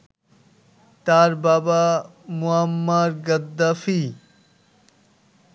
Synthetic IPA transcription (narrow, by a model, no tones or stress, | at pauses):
t̪aːɾbaːba | muɐmːaɾɡɐd̪ːafi